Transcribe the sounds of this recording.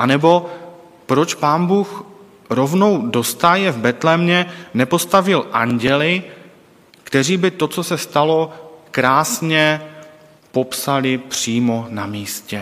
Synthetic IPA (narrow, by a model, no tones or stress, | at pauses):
ʔanɛbo̞ | pɾo̞t͡ʃpaːnbuːx | ɾo̞vno̞wdo̞st̪ajɛvbɛt̪lɛmɲɛnɛpo̞st̪avɪlʔaɲɟɛlɪ | kt̪ɛr̝iːbɪt̪o̞t͡sosɛst̪alo̞kɾaːsɲɛ | po̞psalɪpr̝̥iːmonamiːscɛ